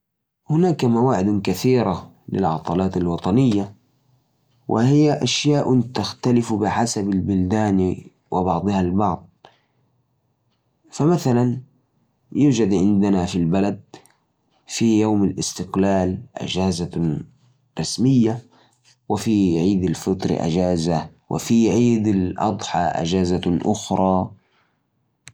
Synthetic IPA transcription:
hʊnaːkamawaːʕɪd̪kaθiːɾa | lɪ̰lʕɑ̰t̪ˤɑlaːt̪alwɑt̪ˤɑnɪjːa | wʔɪ̰hɪjːaʔaʃjaːʔʊt̪axt̪alɪfbɪħasabalbʊld̪aːn | wɪbɑʕd̪ˤɨhalbɑʕd̪ˤ | famaθalan | juːd͡ʒad̪ʕɪnd̪anafilbalad̪̚ | fijawmalʔɪst̪ɪqlaːlʔa̰d͡ʒaːza | ɾˤɑsmɪjːa | wɪfiʕiːd̪alfɪt̪ˤɾ̰ʔa̰d͡ʒaːza | wʔɪ̰fiʕiːd̪alʔɑ̰d̪ˤħɑʔa̰d͡ʒaːzaʔʊxɾˤɑː

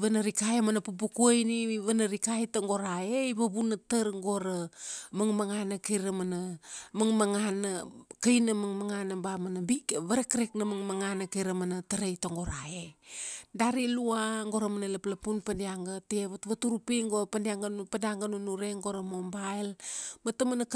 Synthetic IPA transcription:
βanaɾikaemanapupukuojniβanaɾikajtaŋɡo̞ɾaejβaβunatəɾŋɡo̞ɾamaŋmaŋanakejɾamanamaŋmaŋanakajnamaŋmaŋanabamanabiβaɾekɾeknamaŋmaŋanakejɾamanataɾejtaŋɡo̞ɾaedaɾiluaŋɡo̞ɾamanalaplapunpandiaŋɡateeβatβatuɾupiŋɡopandiaŋɡpandiaŋɡanunuɾe̞ŋɡoɾamombaelmatamanak

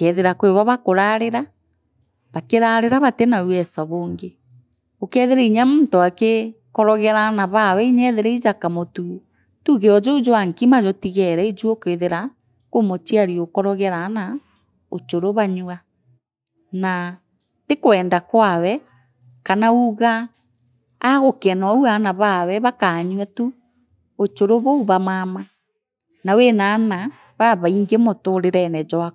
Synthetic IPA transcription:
kɛðeɾakweβaβakoɾaɾeɾa | βakeɾaɾeɾaβatenawɛsaβoːŋɡe | okɛðeɾaiɲamontoake | kɔɾɔɣɛɾanaβawɛiɲɛðeɾɛid͡ʒakamotu | tuɣeɔd͡ʒɔud͡ʒowaŋkimad͡ʒɔtiɣɛɾɛid͡ʒuokeðeɾa | komot͡ʃiaɾiokɔɾɔɣɛɾana | ot͡ʃoɾoβaɲua | na | tekwɛːndakwawɛ | kanauɣaː | ɣokɛnwauanaβawɛβakaːɲwɛtu | ot͡ʃoɾoβɔuβamama | nawenana | βaβaiŋɡemɔtoɾeɾɛnɛd͡ʒɔa

